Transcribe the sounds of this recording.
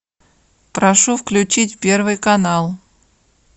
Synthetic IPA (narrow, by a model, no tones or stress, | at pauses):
pɾɐʂufklʲʉt͡ɕitʲpʲe̞rvɨjkɐnalˠ